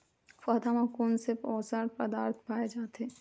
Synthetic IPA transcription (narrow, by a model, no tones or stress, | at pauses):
fɐːd̪amakuːnseɔːsəɾpɐd̪aːɾt̪ʰpaːjed͡ʒaːt̪ɦeː